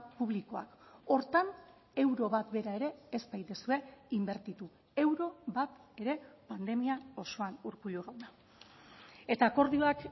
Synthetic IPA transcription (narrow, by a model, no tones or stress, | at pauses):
puβ̞liko̞a̰ko̞ɾt̪an | e̞wɾo̞βat̪be̞ɾae̞ɾe̞ːspajðesue̞imbe̞ɾt̪it̪u | e̞wɾo̞βat̪e̞ɾe̞pand̪e̞miao̞so̞anuɾkuʎoɣawða | e̞t̪aːko̞ɾðio̞ak